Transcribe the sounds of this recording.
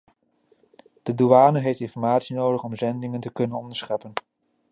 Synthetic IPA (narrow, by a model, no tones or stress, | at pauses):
d̥əduaːnəɦejftɪnfɔɹmaːtsinowdəχɔmzɛndɪŋəntəkɵnənɔndəɹsχɛpən